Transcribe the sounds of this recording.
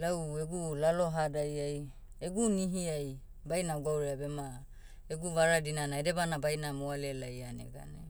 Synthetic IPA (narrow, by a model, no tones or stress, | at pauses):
laweɡulalo̞ɦadajaj | eɡuniɦiaj | bajnauɡawɾeabema | eɡuvaɾadinanaede̞banabajnamoalelajanḛɡa̰nḛ